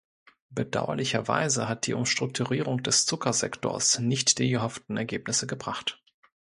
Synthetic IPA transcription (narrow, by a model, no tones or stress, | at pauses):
b̥əda̰ʊɐ̰lɪçɐva̰ɪzəɦat̚d̥iːʔʊmʃtʁ̥ʊk̚tʰuʁiːʁʊŋd̥ɛst͡sʊkʰɐzɛ̰kto̰ːɐsnɪçtd̥iːɡəɦɔft̚n̩ɛɐɡeːpnɪsəɡəbʁaχt